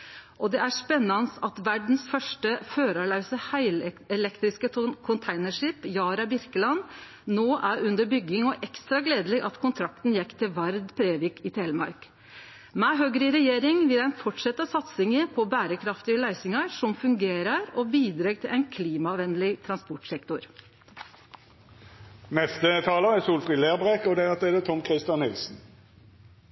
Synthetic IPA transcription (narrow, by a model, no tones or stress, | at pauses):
ʔɔd̪ɛʔæʂpɛnːɑnəsɑt̪ʋæɖɳ̩sfœʂʈəføːɾɑlɑʉsəhæɪlɛlɛkt̪ɾɪskəkʰʊnt̪ʰæɪnəʂɪpjɑːɾɑbɪɾkəlɑn | noːʔæɾʉnd̪əɾbʏɡːɪŋɔʔɛkst̪ɾɑɡleːd̪əlɪʔɑt̪kʰʊnt̪ʰɾɑkt̪n̩jɛkːt̪ʰɪlʋæɾd̪pʰɾeːʋɪkɪt̪ʰeːlmɑ̰ɾk | mɛːɦøːɡəɾɪɾɛjeːɾɪŋʋɪlæɪnfɔʈʂɛt̪ːəsɑt̪sɪŋəpʰɔbæːɾəkʰɾɑft̪ɪəlæɪsɪŋɑʂɔmfʉŋɡeːɾəɾɔbiːd̪ɾɑːɡt̪ʰɪlɛɪnkʰliːmɑʋɛnlɪt̪ʰɾɑnspɔʈsɛkt̪ʊɾ | nɛst̪ət̪ʰɑːləɛsuːlfʁiːleːʁbʁekɔd̪ɛɑt̪ɛd̪ət̪ʰɔmkʰʁɪst̪jɑnhɪlsn̩